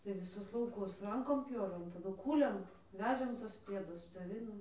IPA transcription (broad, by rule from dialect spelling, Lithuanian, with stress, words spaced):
tɐɪ ʋʲɪˈsʊs lˠɐʊˈkʊs ˈrɐŋkoːm ˈpʲjoːʋʲeːm tɐˈdʊ ˈkuːlʲeːm ˈʋʲæːʒʲeːm ˈtuɔs ˈpʲiɛdʊs d͡zʲoːˈʋʲɪnoːm